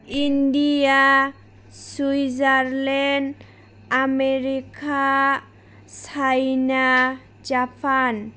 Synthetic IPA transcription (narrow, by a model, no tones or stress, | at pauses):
inɖia | sujzaɾlen | ameɾika | sajna | d͡ʒapʰan